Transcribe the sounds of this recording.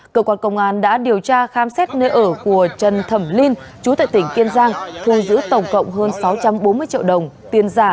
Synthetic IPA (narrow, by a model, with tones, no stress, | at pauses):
kəː˧kwaː˧nkə̰˧˨wŋ͡mʔaː˨˩nɗa̰ː˧˥ɗi˨˩əwt͡ɕaː˧xaː˨˦msɛ˦˥t̚ne˧ʔəː˧˩ku˧˩ət͡ɕə˨˩nt̪ʰə˧˩mli˧nt͡ɕu˨˦t̪a̰ː˧˨jt̪ï˧˩ŋ̟ki˧ənzaː˧ŋt̪ʰu˨˧˩zɨ̰˧˥t̪ə˨˩wŋ͡mkə̰˧˨wŋ͡mɦəː˧nsa˨˦wt͡ɕa˧mɓo˨˦nmɨ˧əjt͡ɕḭ˧əwɗə˨˩wŋ͡mt̪i˧ənzaː˧˩